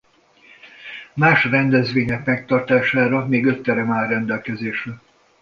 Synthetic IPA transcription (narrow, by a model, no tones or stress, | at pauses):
maːʃrɛnd̪ɛzʋeːɲɛkmɛk̚t̪ɒrt̪aːʃaːɾɒmeːɡø̞t̪ːɛɾɛmaːrːɛnd̪ɛlkɛzeːʃrɛ